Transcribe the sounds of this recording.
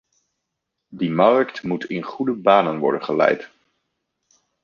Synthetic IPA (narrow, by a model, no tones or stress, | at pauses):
dimɑrktmutɪnχudəbaːnənʋɔ̰ɹdənχəlɛ̰jt